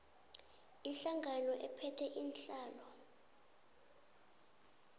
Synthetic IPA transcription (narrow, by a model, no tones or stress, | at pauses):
iɬaŋʱanɔʔɛpʰɛtʰɛʔinɬaːlɔ